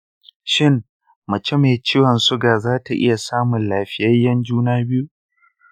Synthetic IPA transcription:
ʃɪ˦ŋ | mɐ˨t͡ʃe˦me˨t͡ʃiː˦wɐ˨nsʊ˦ɡaː˨zaː˦ta˨ʔɪ̰˦ja˨saː˦mʊ˨nlaː˨ɸɪ˦jɐ˦jːɐ˦nd͡ʒuː˦naː˦bɪ˦ju˦

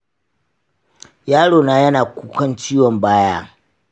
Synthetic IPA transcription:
jaː˦ɽoː˨naː˨jɐ˦naː˨kʷuː˦kʷɐ˦nt͡ʃiː˦wɔ˨mbaː˦jaː˦

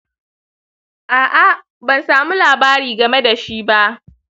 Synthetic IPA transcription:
ʔaː˨ʔa˦ | bɐ˨nsaː˨mu˦laː˨baː˦ɾiː˨ɡɐ˨me˦da˨ʃi˦ba˦ʔ

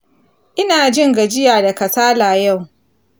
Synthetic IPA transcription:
ʔɪ˦naː˨d͡ʒɪ˦ŋɡa˨d͡ʒɪ˦jaː˨da˨kɐ˨saː˦laː˨ja˦˨w

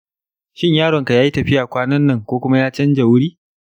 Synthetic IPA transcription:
ʃɪ˦ɲjaː˦ɽɔ˨ŋka˨jaː˦ji˦tɐ˨ɸɪ˦jaː˨kʷaː˦nɐ˦nːɐ˦ŋkʷoː˦kʷʊ˦ma˦jaː˦t͡ʃɐ˦nd͡ʒa˨wʊ˦ɽiː˦

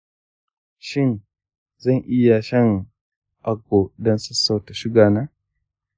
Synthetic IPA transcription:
ʃɪ˦n | zɐ˦˨ŋʔɪ˦ja˨ʃɐ˦ŋ | ʔa˦ɡo˨dɐ˦nsɐ˦sːa˦˨wta˨ʃɪ˦ɡaː˨naː˦

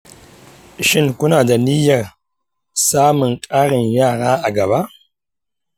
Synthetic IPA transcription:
ʃi˦nku˦na˨da˨ni˦ja˨ɾ | sa˦mu˨nkʼa˦ɾi˨nja˦ɾa˦a˨ɡa˨ba˦

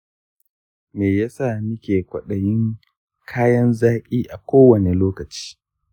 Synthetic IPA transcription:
meː˨ja˦sa˦˨mɪ˦kʲeː˨kʷɐ˨ɗɐ˨jɪ˦ŋ | kʰaː˦jɐ˦nzaː˦kʲʼiː˦ʔa˨kʷoː˦wɐ˨ne˨loː˦kɐ˨t͡ʃi̥ː˦

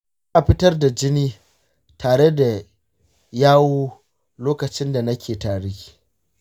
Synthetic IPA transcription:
zʔa˨ɸɪ˦tɐ˦rda˨d͡ʒɪ˦niː˦ | tʰaː˨ɽe˦da˨ | jaː˦woː˦ | loː˦kɐ˨t͡ʃɪ˦nda˨nɐ˦kʲeː˨taː˨ɽi˦˨

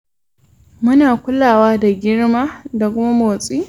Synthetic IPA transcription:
mʊ˦naː˨kʷʊ˦laː˨waː˦da˨ɡʲɪ˦rmaː˦da˨kʷʊ˦ma˦moː˨sʼiː˦

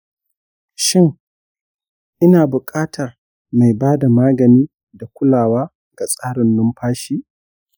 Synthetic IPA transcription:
ʃɪ˦ŋ | ʔɪ˦naː˨bʊ˨kʼaː˦tʰɐ˨r | ma˨jbaː˦da˨maː˦ɡɐ˨niː˦ | da˨kʷʊ˦laː˨waː˦ | ɡa˨sʼaː˦ɽɪ˨nːʊ˦mɸaː˦ʃiː˦

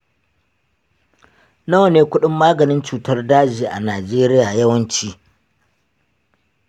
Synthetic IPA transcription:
nɐ˦wneː˦kʷʊ˦ɗɪ˦mːaː˦ɡɐ˨nɪ˦nt͡ʃuː˨tɐ˦rdaː˦d͡ʒiː˨ʔa˨naː˨d͡ʒeː˦ɾɪ˦jaː˨jɐ˦wɐ˦nt͡ʃiː˦

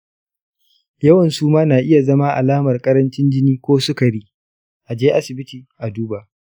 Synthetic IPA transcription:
jɐ˦wɐ˨nsuː˦maː˦naː˨ʔɪ˦ja˨zɐ˦maː˦ʔa̰˨laː˦mɐ˨rkʼɐ˦ɾɐ˦nt͡ʃɪ˦nd͡ʒɪ˦niː˦kʷoː˦sʊ˦ka˨ɽi˦ | ʔa˨d͡ʒeː˦ʔa˦sɪ˨bɪ˦tiː˨ʔa˨duː˦ba˨ʔ

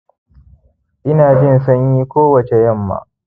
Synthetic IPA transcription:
ʔɪ˦naː˨d͡ʒɪ˦ns̬ɐ˦ɲjiː˦kʷoː˦wɐ˨t͡ʃe˨jɐ˦˨mːa̰ː˨

